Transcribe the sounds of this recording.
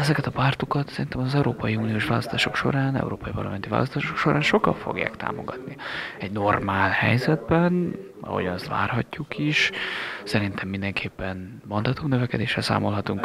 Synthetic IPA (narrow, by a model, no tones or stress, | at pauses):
ɛzɛkɛt̪ɒpaːrt̪okɒt̪sɛɾint̪ɛmɒzɛuɾoːpɒjiuːnijoːʃʋaːlɒst̪aːʃo̞kʃo̞ɾaːnɛ̰uɾoːpɒjpɒ̰rlɒ̰mɛnt̪iva̰ːlɒ̰st̪aːʃo̞kʃo̞ɾʔaːnʃo̞kɒ̰ɱfo̰ɡja̰ːkt̪a̰ːmo̞̰ɡɒt̪niɛɟno̞rmaːlhɛ̰jzɛd̪̚bɛn | ɒ̰ho̞̰ɟɒnɛst̪va̰ːrhɒcːukʰiʃsɛɾint̪ʰɛmːind̪ɛŋkʰeːpːɛn | mɒnd̪aːt̪umnøvɛkɛd̪eːʃɛsa̰ːmo̞lɦɒt̪uŋk